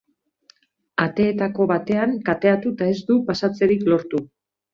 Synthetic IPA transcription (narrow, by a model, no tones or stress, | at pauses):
at̪e̞ːt̪ako̞βat̪e̞aŋkat̪e̞at̪ut̪ae̞zd̪upasat͡se̞ɾiklo̞ɾt̪u